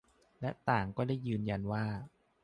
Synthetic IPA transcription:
lɛ˦˥ʔt̪aː˨˩ŋkɔː˥˩daː˥˩jːɯː˧nja˧nwaː˥˩

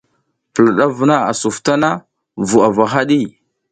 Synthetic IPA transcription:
pə˨la˨ɗa˦vu˨na˦a̰˨su˨fta˦na˦ | vu˨a˨va˨xa˦ɗi˦

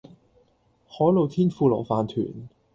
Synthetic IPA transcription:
hɔː˨˥jlo˨˧wt̪ʰiː˥nfuː˧lɔː˨˩faː˨nt̪ʰy̰ː˨˩n

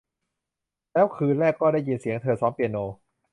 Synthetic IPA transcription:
lɛː˦˥wkʰɯː˧nɾɛː˥˩kːɔː˥˩ɾaː˥˩jːi˧nsi˨˩˦əŋt̪ʰɤː˧sɔː˦˥mpi˧ənoː˧

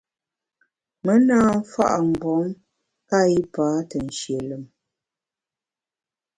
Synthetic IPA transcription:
mə˨˦naː˦fa̰˦ʔa˨m̩˨bɔ˨˦m | ka˦i˦paː˨˦tə˨n˨ʃje˨lə˨m

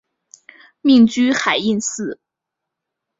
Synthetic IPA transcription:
mi˥˧ŋt͡ɕy˥xa˨˩ɪi˥˧nsɹ̩˥˩

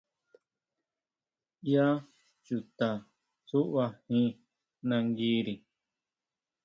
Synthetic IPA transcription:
ja˦ | t͡ʃu˨t̪a˨ | su˦ʔβa˧hĩ˦˧ | nã˧ŋɡiː˧˦ɾi˨

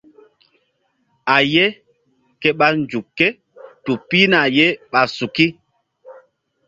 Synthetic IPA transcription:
a˨je˦ | ke˦ɓa˦nd͡ʒu˨kːe˦ | tu˨pi˦na˨je˦ɓa˨su˨ki˦

